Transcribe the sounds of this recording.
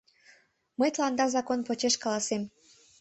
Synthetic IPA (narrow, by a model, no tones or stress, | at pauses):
məjt̪lɑnd̪ɑrzɑkonpot͡ɕeʃkɑlɑsem